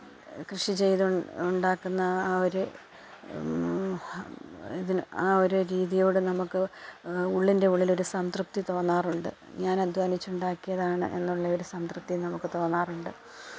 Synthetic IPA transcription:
krɨʂit͡ɕe̞jðuuɳɖaːkːunːɐoɾu | iðinaːoɾuɾiːðijo̞ːɽɨnɐmukːɨ | uɭːinde̞uɭːilo̞ɾusɐmt̪rɨp̚t̪it̪o̞ːnːaːruɳɖɨ̰ | ɲaːnɐd̪ʱʋaːnit͡ɕːuɳɖaːkːijɐðaːɳɨ̰ʔe̞̰nːuɭːɐo̞ɾusɐnt̪rɨp̚t̪ːinɐmukːɨt̪o̞ːnːaːruɳɖɨ

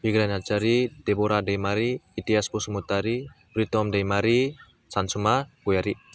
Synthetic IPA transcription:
biɡɾanat͡ʃaɾideboɾadajmaɾiit̪iaspusumut̪aɾipɾit̪ɔmdajmaɾi | sansumakujaɾi

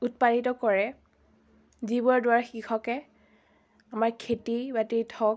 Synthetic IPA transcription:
ut̚panitɔkɔɹɛ | zibɔɹdʊwaɹxikʰɔkɛ | amaɹkʰetibatiɹtʰɔ

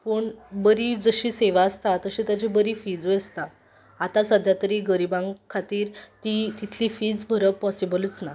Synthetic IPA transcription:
pəɳbəɾid͡zəɕiːseʋaəst̪at̪əɕĩt̪jat͡ɕibəɾiːfid͡zujəst̪aː | t̪ãsəd̪ʱjat̪əɾiːɡəɾibãŋɡkʰːat̪iːɾt̪it̪it̪ʰliːfiːd͡zbʱəɾəpɔsibələt͡sna

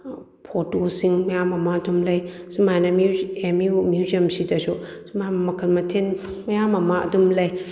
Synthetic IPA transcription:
pʰotosiŋmɐjamɐmaɐdumlɐj | sumajnamiemjumjuziɐmsidɐsusumammɐkʰɐlmɐtʰenmɐjamɐmaʔɐ̰dumlɐj

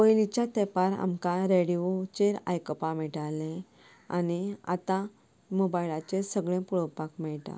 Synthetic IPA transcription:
ojlit͡ɕjat̪epaɾa̰mkaɾeɽiot͡ɕeɾa̰jkəpamɛʈalẽ | a̰nia̰t̪ã | mobajlat͡ɕesəɡɭẽpuɭowpakmɛɭʈ̪a̰

